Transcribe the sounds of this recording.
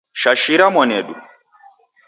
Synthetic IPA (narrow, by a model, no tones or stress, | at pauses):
ʃaʃiɾamɔnɛɗṵ